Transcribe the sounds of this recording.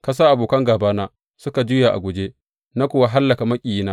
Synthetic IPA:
ka˦s̬aː˦ʔa˨boː˨kɐ˦ŋɡaː˨baː˦naː˦ | sʊ˦ka˨d͡ʒʊ˦ja˨ʔa̰˨ɡʷʊ˨d͡ʒe˦ | na˦kʷʊ˦˨wa˦ɦa˦lːɐ˨ka˨mɐ˦kʲʼi˨ji˦naː˦

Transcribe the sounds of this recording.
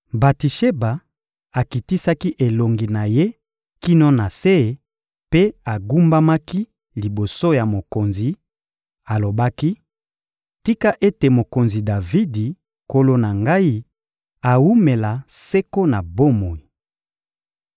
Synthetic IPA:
ba˨ti˨ʃe˦ba˨ | a˨ki˨ti˦sa˦ki˦ʔe˨lo˨ŋɡi˨na˨je˦ | ki˦no˦na˨se˦˨ | pe˦a˨ɡu˦mba˦ma˦ki˦ | li˨bo˨so˦ja˨mo˨ko˨nzi˨ | a˨lo˨ba˦ki˦ | ti˦ka˦ʔe˦te˨mo˨ko˨nzi˨da˨vi˦di˨ | ko˦lo˦na˨ŋɡa˦i˦ | a˨wu˦me˨la˨se˦ko˦na˨bo˦mo˨i˨

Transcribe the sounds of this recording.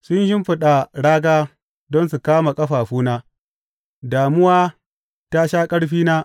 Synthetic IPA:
sʊ˦nhɪ˦mɸɪ˦ɗa˨ɽaː˦ɡaː˦ | dɔ˦ns̬u˨kaː˦ma˨kʼɐ˦ɸaː˨ɸuː˦naː˦ | daː˨mʊ˦waː˦ | ta˦ʃaː˦kʼɐ˦ɽɸiː˦naː˦

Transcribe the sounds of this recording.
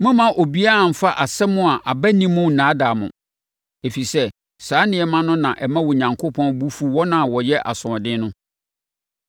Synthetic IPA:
mʊ̃˦mã˨ʔo˨bi˦a˦a˨m̩˨fa˦ʔa˨sɛ˦mʊ̃˦a˨ʔa˨bæ˦nĩ˦mʊ̃˦˨nãː˨˦da˨mʊ̰̃˨ | e˨fi˨sɛ˦ | sãː˨˦nɪ̃˨˦ɛ˨mã˦nʊ̃˦nã˨ʔɛ˨mã˦wɔ˨ɲã˨ŋkʰo˦pʰɔ̃˦nbu˦fu˦wɔ˦nã˨wɔ˨jɛ˦ʔa̰˨sʊ̃˨ɔ˨dɪ̃˦nʊ̃˦

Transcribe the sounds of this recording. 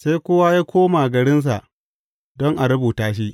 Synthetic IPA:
se˦jkʷʊ˦wa˦jaː˦kʷoː˦maː˨ɡɐ˨ɽɪ˦ns̬a̰˨ʔ | dɔ˦ŋʔa˨ɾʊ˦buː˨taː˦ʃ̬i˦ʔ

